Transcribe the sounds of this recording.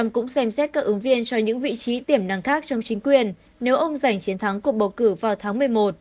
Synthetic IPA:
ŋ͡mkʊ̰˧˥ŋ͡msɛ˧msɛ˦˥t̚kaː˦˥kʔɨ˨˦ŋvi˧ənt͡ɕɔ˧ɲɨ̰˧˥ŋvḭ˧˨t͡ɕi˨˦t̪i˧˩əmna˨˩ŋxaː˦˥k̚t͡ɕɔ˧wŋ͡mt͡ɕï˨˦ŋ̟kwi˨˩ənː | e˨˦wʔə˧wŋ͡mza˧˩jŋ̟t͡ɕi˨˦ənt̪ʰa˨˦ŋku˨˩ək̚ɓə˨˩wkɨ˧˩vaː˨˩wt̪ʰaː˨˦ŋmɨ˨˩əjmo˨˩t̚

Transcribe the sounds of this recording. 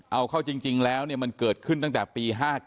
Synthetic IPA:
ʔa˧wkʰa˥˩wt͡ɕi˧ŋt͡ɕi˧ŋlɛː˦˥wni˥˩ma˧nkɤː˨˩t̪̚kʰɯ˥˩nt̪a˥˩ŋt̪ɛː˨˩piː˧ɦaː˥˩

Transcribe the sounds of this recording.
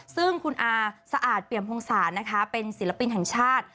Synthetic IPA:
sɯ˥˩ŋkʰu˧nʔaː˧sa˧ʔaː˨˩t̪̚pli˨˩əmpʰoː˧ŋsaː˩˦na˦˥kʰa˦˥pe˧nsi˩˦la˧pi˧nɦɛ˨˩ŋt͡ɕʰaː˥˩t̪̚

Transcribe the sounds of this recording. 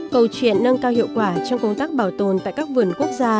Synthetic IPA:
kə˨˩wt͡ɕwḭ˧˨ənːə˧nkaː˧whɦḭ˧˨əwkwaː˧˩t͡ɕɔ˧wŋ͡mkə˧wŋ͡mt̪aː˦˥k̚ɓaː˧˩wt̪o˨˩nt̪a̰ː˧˨jkaː˦˥k̚vɨ˨˩ənku˦˥ək̚zaː˧

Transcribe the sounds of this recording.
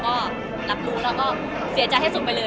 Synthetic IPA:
kɔː˥˩ | la˦˥p̚ɾuː˦˥lɛː˦˥˩kɔː˥˩ | si˩˦t͡ɕa˧jɦa˥˩su˨˩t̚pa˧jlɤː˧

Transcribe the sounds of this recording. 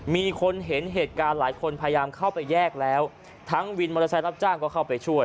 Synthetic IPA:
miː˧kʰo˧nɦe˩˦nɦeː˨˩t̪̚kaː˧nlaː˩˦jkʰo˧npʰaː˧ja˧jaː˧mkʰa˥˩wpa˧jːɛː˥˩k̚lɛː˦˥w | t̪ʰa˦˥ŋwi˧nmoː˧la˧t͡ɕʰa˧˥jɾla˦˥p̚t͡ɕaː˥˩ŋkɔː˥˩kʰa˥˩wpa˧jt͡ɕʰu˥˩əj

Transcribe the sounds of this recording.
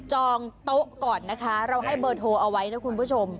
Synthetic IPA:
t͡ɕɔː˧ŋt̪o˦˥ʔkɔː˨˩nːa˦˥kʰa˦˥ɾa˧wɦa˥˩jbɤː˧˩t̪̚ɦoː˧ʔa˧wa˦˥jna˦˥kʰu˧npʰuː˦˥t͡ɕʰo˧m

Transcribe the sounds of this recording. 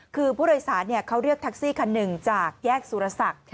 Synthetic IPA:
kʰɯː˧pʰuː˥˩doː˧jsaː˩˦nːi˥˩ɐkʰa˦˥wɾi˥˩ək̚t̪ʰa˦˥k̚siː˥˩kʰa˧nːɯ˨˩ŋt͡ɕaː˨˩k̚jɛː˥˩k̚suː˨˦ɾa˧sa˨˩k̚

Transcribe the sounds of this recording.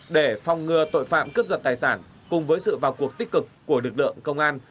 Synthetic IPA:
ɗe˧˩fɔ˨˩wŋ͡mːɨ˨˩ət̪o̰˧˨jfa̰ː˧˨mkɨ˦˥p̚zə˨˩t̚t̪aː˨˩jsaː˧˩n | kʊ˨˩ŋ͡mvəː˨˦jsɨ̰˧˨vaː˨˩wku˨˩ək̚t̪i˦˥k̚kɨ˨˩kːu˧˩əlɨ˨˩k̚lɨ̰˧˨əŋkə˧wŋ͡mʔaː˧n

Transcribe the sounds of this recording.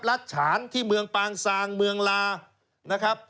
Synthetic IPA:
p̚la˦˥t̪̚t͡ɕʰaː˩˦nt̪ʰiː˥˩mɯ˧əŋpaː˧ŋsaː˧ŋmɯ˧əŋlaː˧ | na˦˥kʰɾa˦˥p̚

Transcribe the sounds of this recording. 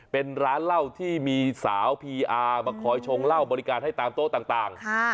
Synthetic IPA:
pe˧nɾaː˦˥nla˥˩wt̪ʰiː˥˩miː˧saː˩˦wpʰiː˧ʔaː˧maː˧kʰɔː˨˦jt͡ɕʰo˧ŋla˥˩wbɔː˧ɾi˦˥kaː˧nha˥˩jt̪aː˧mt̪oː˥˩t̪aː˨˩ŋt̪aː˨˩ŋkʰa˥˩

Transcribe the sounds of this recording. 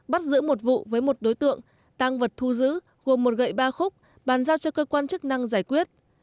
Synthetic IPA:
ɓa˦˥t̚zɨ̰˧˥mo˨˩t̚vṵ˧˨vəː˨˦jmo˨˩t̚ɗo˨˦jt̪ɨ̰˧˨əŋ | t̪aː˧ŋvə˨˩t̚t̪ʰu˧zɨ̰˧˥ | ɣo˨˩mːo˨˩t̚ɣə̰˧˨jɓaː˧xʊ˦˥k͡p̚ | ɓaː˨˩nzaː˧wt͡ɕɔ˧kəː˧kwaː˧nt͡ɕɨ˦˥k̚na˧ŋzaː˧˩jkwi˦˥ət̚

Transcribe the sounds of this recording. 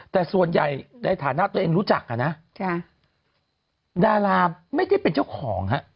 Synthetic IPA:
t̪ɛː˨˩su˨˩ənja˨˩jnaː˧jt̪ʰaː˨˩˦na˦˥ʔt̪u˧əʔeː˧ŋɾuː˦˥t͡ɕa˨˩k̚ʔa˧˩na˦˥ʔkʰa˧˩ | daː˧ɾaː˧ma˥˩jda˥˩jpe˧nt͡ɕa˥˩wkʰɔː˩˦ŋha˦˥ʔ

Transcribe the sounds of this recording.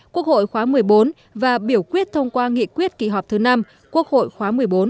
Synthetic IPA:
kkwu˦˥ək̚ho̰˧˨jxwaː˨˦mɨ˨˩əjɓo˨˦n | vaː˨˩ɓi˧˩əwkwi˦˥ət̚t̪ʰə˧wŋ͡mkwaː˧ŋḭ˧˨kwi˦˥ət̚ki˧˩ɦɔ˨˩p̚k͡p̚t̪ʰɨ˨˦na˧m | kwu˦˥ək̚ho̰˧˨jxwaː˨˦mɨ˨˩əjɓo˨˦n

